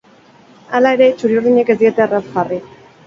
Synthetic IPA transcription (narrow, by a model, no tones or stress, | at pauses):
alae̞ɾe̞t͡ʃuɾiuɾðiɲe̞ke̞zd̪ie̞t̪e̞arapɣari